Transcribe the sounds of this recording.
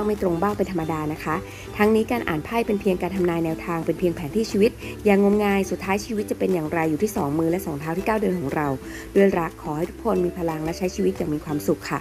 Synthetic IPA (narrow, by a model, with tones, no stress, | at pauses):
ŋma˥˩jt̪ɾo˧ŋbaː˥˩wpe˧nt̪ʰmːa˧daː˧na˦˥kʰa˦˥ʔ | t̪ʰa˦˥ŋniː˦˥kaː˧nʔaː˨˩npʰaː˥˩jpe˧npʰi˧əŋkaː˧nt̪ʰa˧mnaː˧jnɛː˧wt̪ʰaː˧ŋpe˧npʰi˧əŋpʰɛː˩˦nt̪ʰiː˥˩t͡ɕʰiː˧wi˦˥t̪̚jaː˨˧˩ŋo˧mŋaː˧jsu˨˩t̪ʰːaː˦˥jt͡ɕʰiː˧wi˦˥t̪̚t͡ɕa˨˩pe˧njaː˨˩ŋɾa˧jːuː˨˩t̪ʰiː˥˩sɔː˩˦ŋmɯː˧lɛ˦˥sɔː˩˦ŋt̪ʰaː˦˥wt̪ʰiː˥˩kaː˥˩wdɯ˧ənkʰɔː˩˦ŋɾa˧w | duː˥˩əjɾa˦˥kʰːɔː˩˦ha˥˩jt̪ʰu̥˦˥kʰo˧nmiː˧pʰa˧la˧ŋlɛ˦˥t͡ɕʰa˦˥jt͡ɕʰiː˧wi˦˥t̪̚jaː˨˩ŋmiː˧kʰwaː˧msu˨˩kʰːa̰˥˩